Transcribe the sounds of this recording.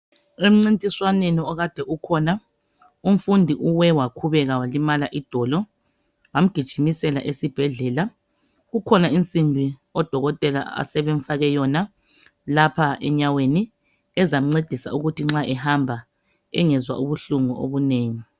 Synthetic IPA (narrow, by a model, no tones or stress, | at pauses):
em̩ŋ͡ǀintʼiswaneniɔɣad̥ʱɛʔukʰɔna | um̩fundʱiʔuwɛwakʰuβɛɣawalimalaʔid̥ʱɔlɔ | wam̩ɡ̥ʱid̥ʒ̥ʱimisɛla̰ʔesib̥ʱɛɮɛːla | ɣukʰɔnaint͡sʼimbʱiɔd̥ʱɔɣɔtʼɛla̰a̰sɛβeɱ̩faɣɛjɔna | lapʰaʔɛ̰ɲaweni | ɛzam̩ŋ͡ǀed̥ʱisa̰uɣutʰiŋ͡ǁaʔɛhambʱa | ɛ̰ŋɛzwa̰ʔuβuɬuŋuʔo̰βuneːŋi